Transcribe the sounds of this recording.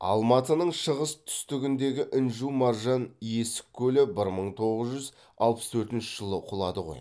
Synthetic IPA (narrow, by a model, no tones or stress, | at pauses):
ɑ̰lˠmɑt̪ənəɴʃəʁəst̪ʰʏ̥st̪ɪɡʲɪnd̪e̞ɡʲɪʔɪnʒumɑɾʒɑnje̞sɪ̥kʲʰːɵlɪbɪɾməɴt̪ʰo̞ʁəzʒʏz | ɑ̰lˠpə̥st̪ʰɵɾt̪ɪnʃɪʒ̥əlˠəqʰʊlˠɑd̪əʁo̞̰j